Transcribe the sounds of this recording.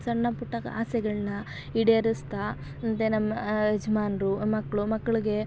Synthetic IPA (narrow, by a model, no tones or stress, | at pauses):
sɐɳːɐpuʈːɐkɐa̰ːsɛɡɐɭɐnɐ | iɽeɐɾist̪a | ɐnt̪enɐmːɐɐd͡ʒɐmaːnɾumɐkːɐɭumɐkːɐɭiɡe̞